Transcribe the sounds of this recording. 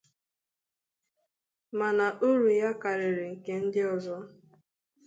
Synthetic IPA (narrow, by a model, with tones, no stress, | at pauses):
ma˨na˨ʔu˦ɾu˨ja˦ka˨ɾɪ˨ɾɪ˨ŋ̩˨ke˦n̩˦dɪ˦ɔ˨zɔ˦